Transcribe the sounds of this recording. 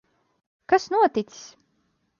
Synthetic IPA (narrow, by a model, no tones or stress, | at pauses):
kasnuɔt̪it̪si̥s